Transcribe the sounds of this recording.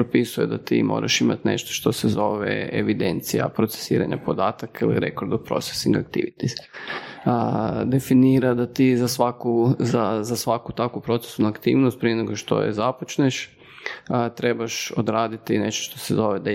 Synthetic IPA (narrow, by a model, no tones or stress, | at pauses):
pɾopisujed̪at̪ḭmo̰ːɾʔa̰ʃima̰t̪nḛʃt̪o̥ʃt̪o̞sezoʋḛḛʋid̪e̞nt̪sija̰pɾot̪se̥sḭːɾa̰ɲa̰po̞d̪aːt̪akailḭɾḛkoɾd̪opɾo̞̰t̪se̥siŋɡakt̪ḭʋit̪i | d̪e̞finiːɾad̪at̪izasʋakuzazasʋakut̪akupɾo̞t̪se̥sunakt̪ḭːʋnost̪̚pɾieneɡoʃt̪o̰jḛzapot͡ʃneʃ | t̪ɾe̞baʃod̪ɾaːd̪it̪ine̞ʃt̪oʃt̪osezo̞ʋed̪a